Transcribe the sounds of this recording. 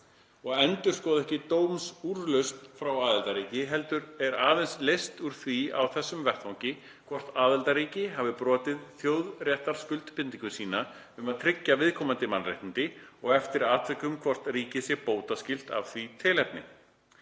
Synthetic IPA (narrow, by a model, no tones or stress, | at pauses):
ɔɣɛnt̪ʏɾ̥skɔːðɛhcɪt̪oːwmsuɾlʏst̪fɾawaːðɛlt̪aɾiːcɪɦɛl̪t̪ʏɾɛɾaːðɛnslejst̪uɾ̥θvia̰wθɛsːʏmvɛr̥t̪vawŋcɪ | kʰvɔr̥t̪aːðɛlt̪aɾiːcɪɦavɪpɾɔːt̪ɪðθjoːwðrjɛht̪aɾ̥skʏlt̪pɪnt̪iŋkʏsiːna | ʏmaðt̪ʰɾɪcːavɪðkʰɔːmant̪ɪmanrḛjht̪ɪnt̪ɪɔɣɛft̪ɪɾaːt̪ʰvɛkːʏmkʰvɔr̥t̪riːcɪsjɛpoːwt̪askcɪl̥t̪a̰vθvit̪ʰɪlɛp̪nɪ̰